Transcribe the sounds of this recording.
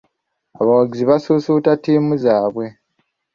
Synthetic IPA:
a̰βawaɡiziβasusutatiːmuzaːβwe̞

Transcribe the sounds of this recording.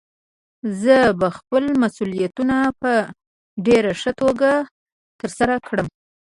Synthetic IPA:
zəbaxpəlmasulijat̪unapə | ɖeɾaʂət̪oɡa | t̪əɾsaɾakɽəm

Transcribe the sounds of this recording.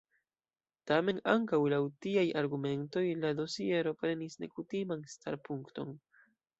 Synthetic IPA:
tame̞naŋkawlawtiajaɾɡume̞nto̞jlado̞sie̞ɾo̞pɾe̞nisne̞kutimanstʰaɾpuŋkto̞n

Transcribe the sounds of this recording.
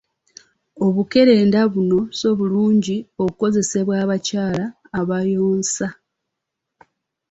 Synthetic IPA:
o̞βuke̞ɾe̞ːndaβuno̞so̞βuluːɲɟio̞kuko̞ze̞se̞βwaːβacaːlaː | βajoːnsa

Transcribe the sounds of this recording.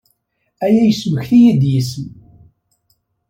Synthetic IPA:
æjæjəswəçθijid̪jisəm

